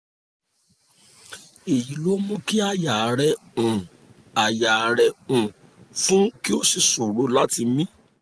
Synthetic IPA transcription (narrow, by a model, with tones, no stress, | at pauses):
e˨ji˨˦lo˦mũ˦ki˦a˦ja˨ɾɛ˨ũ˨ | a˨ja˨ɾɛ˨ũ˨ | fũ˦ki˦o˦si˧su˨ɾo˨˦la˦ti˧mĩ˦